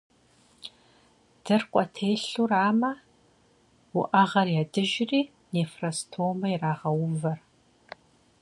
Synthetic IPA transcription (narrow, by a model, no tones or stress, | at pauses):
d̥ɨrqʷʼɔtʰeːɬuraːmɐ | wʊʔɐʁɐrjadɨʒriː | neːfrɐstʰoːmɐjiraːʁɐwʊmvɐr